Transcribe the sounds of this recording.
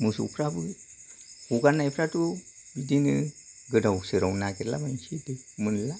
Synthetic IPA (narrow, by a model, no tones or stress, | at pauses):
musṵpʰɾabɯ | uɡanːajpʰɾatu | bidinɯ | ɡədawsɯɾawnaɡeɾla̰bant͡ʃidemɨnla